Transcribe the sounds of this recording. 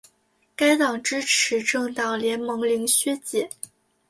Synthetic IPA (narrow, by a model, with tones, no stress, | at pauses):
ka˥ɪt̪ɑ˨˩ŋʈ͡ʂɻ̩˥ʈ͡ʂ̩ʰ˧˥ʈ͡ʂɤ˥˧˩ŋt̪ɑ˨˩ŋljɛ˧˥nmɤ˧˥ŋli˧˥ŋɕɥɛ˥t͡ɕjɛ˨˩˦